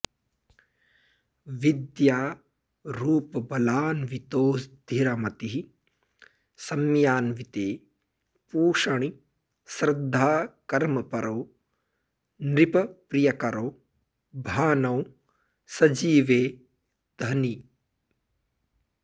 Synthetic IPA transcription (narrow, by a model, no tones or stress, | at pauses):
ʋid̪jaː | ɾuːpɐbɐlaːnʋit̪oːsd̪ʱiɾɐmɐt̪iɦi | sɐmjaːnʋit̪eː | puːʃɐɳ̃i | sɾɪd̪ʱːaːkɐɾmɐpɐɾʔɐː | nɾipɐpɾijɐkɐɾoː | bʱaːnɐw | sɐd͡ʒiːʋeː | d̪̥ʱɐni